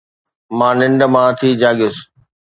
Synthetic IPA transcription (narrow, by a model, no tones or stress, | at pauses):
mãːnɪ̃ɳɖə̆mãt̪ʰid͡ʑaːɠɪs